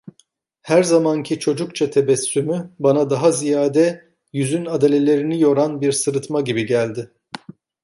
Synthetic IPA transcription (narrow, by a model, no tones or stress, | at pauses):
hæɾzamancʰit͡ʃʰo̞d͡ʒukt͡ʃʰat̪ʰebɛsːymybanad̪aɦazijaːd̪ɛ | jyzynad̪elʲe̞lʲe̞ɾinijo̞ɾanbiɾsɯɾɯt̪maɟibiɟælʲd̪ɪ